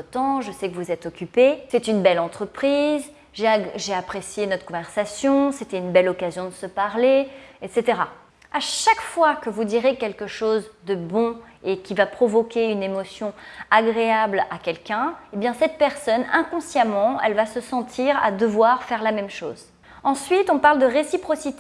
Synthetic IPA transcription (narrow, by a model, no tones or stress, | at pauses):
ət̪ɑ̃ʒəsɛkəvuzɛt̪ɔkʲypesɛt̪ynbɛlɑ̃t̪χəpχiz | ʒeʒeapχesjenɔt̪χəkɔ̃vɛʁsasjɔ̃set̪ɛynbɛlɔkazjɔ̃d̪əsəpaʁleɛt̪set̪eʁa | aʃakfwakəvud̪iʁekʲɛlkəʃozd̪əbɔ̃ekʲivapχɔvɔkʲeynemɔsjɔ̃aɡʁeablakʲɛlkʲɛ̃ebjɛ̃sɛt̪̚pɛʁsɔnɛ̃kɔ̃sjamɑ̃ɛ̰lvasəsɑ̃t̪ʰiʁa̰d̪əvwaʁfɛʁlamɛmʃo̰ːz | ɑ̃sɥit̪ɔ̃paʁld̪əʁesipχɔsit̪e